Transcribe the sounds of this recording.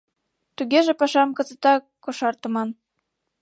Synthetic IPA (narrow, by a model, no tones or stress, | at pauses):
t̪uɣeʒĕpɑʃɑmkɤ̆t͡sɤ̆t̪ɑ | kːoʃɑrt̪ə̆mɑn